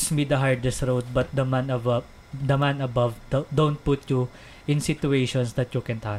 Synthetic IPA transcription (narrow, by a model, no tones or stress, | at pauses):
smid̪ɐɦaɹd̪ɛst̪ɹowd̪̚bɐt̪̚d̪ɐmanɐvɐ | d̪ɐmãnɐbɐvdd̪õwnt̪̚pʊt̪ju | ʔɪ̃nsɪt̪uejʃɔ̃nsd̪ɐt̪jukɛ̃nt̪ʰa